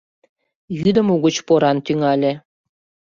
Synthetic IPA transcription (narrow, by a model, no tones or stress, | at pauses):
jyd̪ə̆muɣə̆t͡ɕpoɾɑnt̪yŋɑlʲe